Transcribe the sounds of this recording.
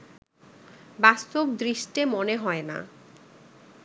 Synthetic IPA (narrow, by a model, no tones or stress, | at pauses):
bast̪obd̪ɾiʃʈemoneɦɔena̰